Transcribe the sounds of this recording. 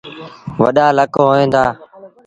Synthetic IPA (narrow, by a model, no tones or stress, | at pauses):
ʋə̰ɗaːləkɦoːẽːnd̪aː